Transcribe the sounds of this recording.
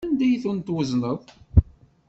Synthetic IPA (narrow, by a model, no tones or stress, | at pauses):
ænd̪æjθunt̪ːwəznəðˤ